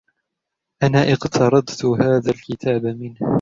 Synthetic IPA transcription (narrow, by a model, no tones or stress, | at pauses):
ʔanaːʔɪqt̪ʰɑɾˤɑd̪t̪ʊhaːðalkɪt̪ʰaːbamɪnh